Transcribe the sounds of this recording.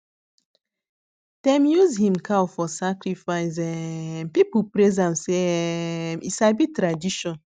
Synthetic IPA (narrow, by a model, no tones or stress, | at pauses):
d̥ɛ̃mjuzhĩmkʰawfɔsakɾifaɪzɛmpipupɾezãmse | mḭsabitɾadiʃɔ̃n